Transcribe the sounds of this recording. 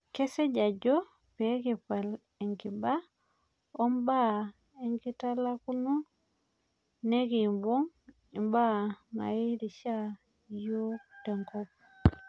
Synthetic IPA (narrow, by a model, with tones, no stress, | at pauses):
ke˦se˦ɟa˨ɟo˦ | pe˨˦ki˨pa˨l | e˨ŋki˨ba˦ | o˦mba˦ | e˦ŋki˦ta˦laku˦nu˦ | ne˦ki˨mbo˦ŋ | i˨mba˦ma̰˨i˦ɾi˨ʃa˦ | jo˦te˨ŋkop̚